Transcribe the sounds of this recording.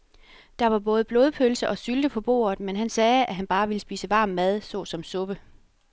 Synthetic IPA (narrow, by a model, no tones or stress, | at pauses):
d̥ɑ̈ʋɑ̈b̥ɔ̽ːð̞ˠb̥loːð̞ˠpʰølsəʔɒ̽syld̥əpʰɒ̽b̥o̝̰ːɐð̩ˠmenɦænsɛːæɦænb̥ɑ̈ːʋiləsb̥ḭːsəʋɑ̈ːmːæð̞ˠsɒ̽sɒ̽msɔ̽b̥ə